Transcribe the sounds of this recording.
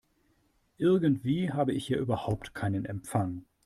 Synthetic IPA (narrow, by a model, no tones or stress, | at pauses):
ʔɪɐɡntv̥iːɦaːbəɪçhiːɐʔyːbɐhaʊp̚tkʰaɪnənɛmp͡faŋ